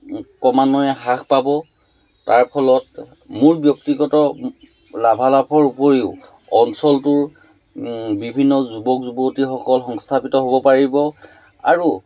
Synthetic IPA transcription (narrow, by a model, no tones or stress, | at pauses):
kɔmanɔjɛɦakʰpabɔ | taɹpʰɔlɔt | mʊɹbjɔktiɡɔtɔ | labʱalapʰɔɹupoɹiʊ | ɔnsɔltʊɹ | bibʱinːɔzubɔkzubotixɔkɔlxɔŋstʰapitɔɦobɔpaɹibɔ | a̰ɹu